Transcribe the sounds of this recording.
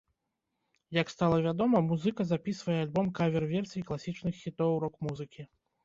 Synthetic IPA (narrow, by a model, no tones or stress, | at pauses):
jɐkst̪alˠɐvʲad̪ɔmɐmuzɨkɐzapʲisvɐjɛalʲbɔmkavʲɛrvʲɛrsʲijiklˠasʲit͡ʂnɨxːʲit̪ɔwɾɔkmuzɨkʲi